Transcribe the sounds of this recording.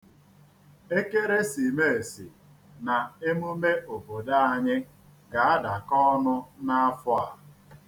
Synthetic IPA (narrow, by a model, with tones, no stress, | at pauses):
e˦ke˦ɾe˦si˨me˦e˨sḭ˨ | na˨e˦mu˦me˦ʔo˨bo˨da˦a˨ɲɪ˦ | ɡa˨a˦da˨kɔ˦nʊ˦na˦a˦fʊ˦a˨